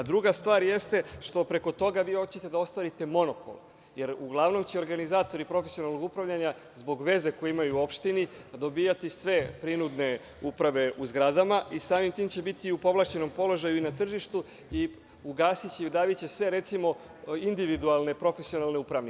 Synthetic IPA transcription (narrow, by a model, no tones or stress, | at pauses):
d̪ɾuɡast̪ʋaːɾje̞st̪e̞ʃt̪o̞pɾe̞ko̞t̪o̞ɡaʋiːhot͡ɕet̪ed̪ao̞st̪ʋaːɾit̪e̞mo̞no̞po̰l | je̞ɾuɡlˠaʋno̞mt͡ɕe̞o̞ɾɡanizaːt̪o̞ɾipɾo̞fesio̞nalˠno̞ɡupɾavʎʲaɲa | zbo̞ɡʋe̞ze̞ko̞jeimajuo̞pʃt̪ini | d̪o̞biːjat̪isʋe̞pɾinud̪ne̞ | upɾaʋe̞ʔuzɡɾad̪amaisaːmimt̪iːmt͡ɕe̞bit̪iupo̞ʋlˠaːt͡ɕe̞no̞mpo̞lo̞ʒajuinat̪r̩ʒiʃt̪u | i | uɡaːsit͡ɕeud̪aːʋit͡ɕe̞sʋe̞ɾe̞t̪simo̞ | ind̪iʋid̪ualˠne̞pɾo̞fesio̞nalneupɾaʋni